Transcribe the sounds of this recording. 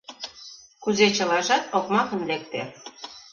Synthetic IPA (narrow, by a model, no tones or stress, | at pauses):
kuzet͡ɕɤ̆lɑʒɑt̪okmɑkɤ̆nlek̚t̪e